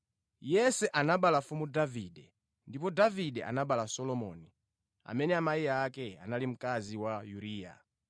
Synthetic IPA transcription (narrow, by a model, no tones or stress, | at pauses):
jɛsɛʔanaɓalafumudaviɗɛ | ndipɔdaviɗɛʔa̰naɓalasɔlɔmɔ̰ːni | a̰mɛnɛamaiakɛa̰nalim̩kaziwajuɾiːja̰